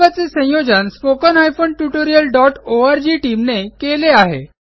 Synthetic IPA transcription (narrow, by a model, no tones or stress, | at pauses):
at͡sesə̃jod͡ʑənspokənɦajfoɳʈuʈoɾijəlɖɔʈoaɾd͡ʑiːʈiːmnekeleaɦḛ